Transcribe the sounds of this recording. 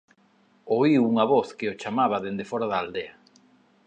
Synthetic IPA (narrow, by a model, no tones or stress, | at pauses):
oiuŋɐβoθkɪot͡ʃamaβaðend̪efɔɾaðaːld̪eɐ